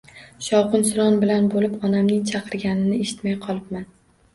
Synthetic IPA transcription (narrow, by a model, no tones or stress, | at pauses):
ʃɒwqɨnsʊɾɒnbɪlanbolɪpɒnamnɪŋt͡ʃʰɑqʰɨɾɡʲanɪnɪeʃɪ̥t̪majqʰɒlˠɪpman